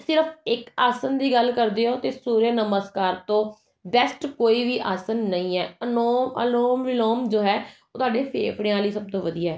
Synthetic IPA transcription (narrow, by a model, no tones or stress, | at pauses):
sɪɾəpʰɪkaːsənd̪iːɡəlkəɾd̪eːoːt̪eːsuːɾeːnəməskaːɾt̪õː | bɛsʈkoːiːʋiːʔaːsənːəĩːɛːənoːmə̰loːmʋɪloːmd͡ʒoːɦɛːoːt̪ʊaːɖeːpʰḛːpʰɽẽãːliːsəb̚t̪õːʋəd̪ijaːɛː